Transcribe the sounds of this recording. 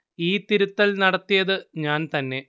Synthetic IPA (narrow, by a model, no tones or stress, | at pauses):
iːt̪iɾut̪ːɐlnɐɽɐt̪ːijɐðɨɲaːnt̪ɐnːe̞